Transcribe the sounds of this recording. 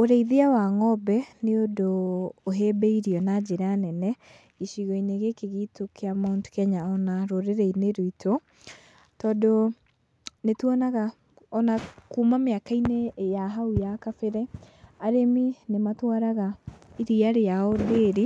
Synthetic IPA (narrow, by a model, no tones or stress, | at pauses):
oɾɛiðiawaŋɔbɛneodoːɦebɛiɾiɔnad͡ʑeɾanɛnɛ | iʃiɣɔineɣekeɣitokʰeamonto̥kɛɲaɔnaɾoɾeɾɛineɾoitʰo | tɔdo | netuɔnaɣa | ɔnakumameakainejaɦaujakafeɾɛaɾeminematwaɾaɣaiɾiaɾejaɔdeːɾi